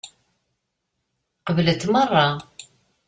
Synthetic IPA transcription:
qəvlət̪ːmərˤːɑ

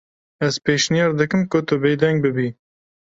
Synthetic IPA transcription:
ɛzpeːʃnijɛɾd̪ɨkɨmkʊt̪ʰʊbejd̪ɛŋɡ̚bɨbi

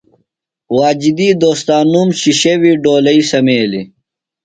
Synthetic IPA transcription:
waːd͡ʑid̪iːd̪oːst̪aːnumɕiɕewiːɖoːlɐisɐmeːlḭ

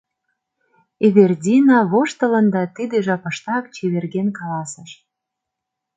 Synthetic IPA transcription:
eβerdʲinɑβoʃt̪ə̆lə̆nd̪ɑt̪id̪eʒɑpɤ̆ʃt̪ɑkt͡ɕeβerɣenkɑlɑsə̆ʃ

